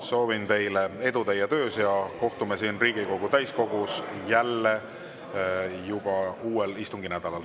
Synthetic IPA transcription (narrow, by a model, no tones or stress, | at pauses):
so̞ːvint̪e̞jlee̞d̪ut̪ejɑt̪ø̞ːsjɑko̞ht̪umesiːnriːɡ̥iko̞ɡ̥ut̪æjsko̞ɡ̥usjælːe | jub̥ɑuːelist̪uŋɡinæd̪̥ɑlɑl